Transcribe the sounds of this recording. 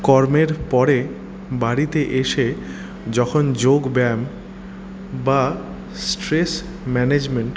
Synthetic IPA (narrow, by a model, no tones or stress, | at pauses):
kɔɾmeɾpɔɾe | baɾit̪eʔeʃe | d͡ʑɔkʰond͡ʑoɡbɛm | ba | sʈɾes | mɛned͡ʑmeɳʈ